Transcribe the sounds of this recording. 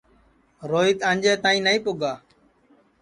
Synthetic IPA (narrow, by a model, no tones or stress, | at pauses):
ɾoːiːt̪ə̃ːnʲd͡ʒeːt̪ãːĩːnəĩːpʊːɡaː